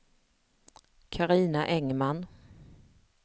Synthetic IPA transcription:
kʰaɾiːnaʔɛŋman

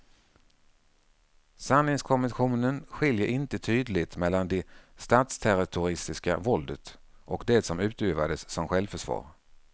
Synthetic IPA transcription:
sanlɪŋskʰɔmvənɧuːnənɧɪljəɾʔɪnt̪ət̪ʰyːd̪lɪt̪mɛlːand̪ɛst̪aːt̪st̪ʰæɾɪt̪ʰʊɾɪst̪ɪska̰vɔld̪ət̪ | ʔɔkd̪ɛsɔmʉ̟ːt̪ʉːvad̪əsːɔmɧɛlvfœʂvɑ̰ːɾ

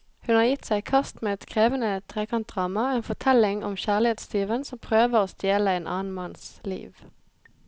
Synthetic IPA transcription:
hʉnhɑːʁjɪt̪sæɪkʰɑst̪meːɛt̪kʰʁeːʋənət̪ʰʁeːkʰɑnt̪̚d̪ʁɑːmɑeːnfɔt̪ʰɛlɪŋɔ̰mçæːʁlɪheːt̪st̪yːʋənsɔmpʰʁøːʋəʁoːst̪jeːləeɪnʔɑ̰ːn̩mɑnslḭːʋ

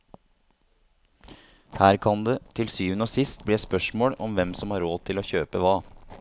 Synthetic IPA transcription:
hæːɾkʰɑnd̪ɛt̪ʰɪlsyːʋənoːsɪst̪̚bliːspœʂmoːɽɔmʋɛmsɔmhɑɾoːt̪ʰɪlɔçøːpəʋɑː

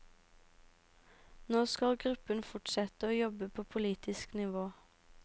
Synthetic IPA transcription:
noːskɑlɡʁʉpənfʊʈsɛt̪əoːjɔbəpʰoːpʰʊliːt̪ɪsknɪʋoː

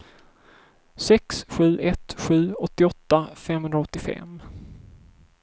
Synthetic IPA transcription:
sɛksɧʉ̟ːʔɛt̪ɧʉ̟ːɔt̪ːɪɔt̪ːafɛmhɵnd̪ɾaɔt̪ːɪfɛ̰m

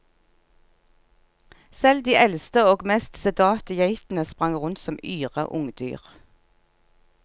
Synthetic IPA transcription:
sɛld̪iːʔɛlst̪əoːɡmeːst̪sɛd̪ɑːt̪əjeɪt̪n̩əspʁɑŋʁʊnt̪sɔmyːʁə̰ʔʊŋd̪y̰ːʁ

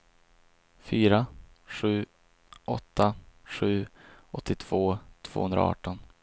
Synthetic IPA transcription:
fyːɾa | ɧʉ̟ː | ʔɔt̪ʰːaɧʉ̟ːʔɔt̪ʰːɪt̪ʰv̥oːt̪ʰv̥o̰ːhɵnd̪ɾa̰ɑ̰ːʈɔn

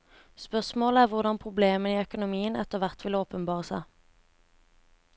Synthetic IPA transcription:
spœʁsmoːləæːʁʋʊʁd̪ɑnpʰʁʊbleːməniːœkʊnʊmiːənɛt̪ːəʁʋæʁt̪ʋɪloːpənbɑːʁəsæɪ

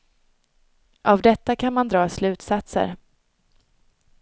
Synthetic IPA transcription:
ʔavd̪ɛt̪ːakʰanmand̪ɾɑːslʉ̟ːt̪sat̪sə̰ɾ

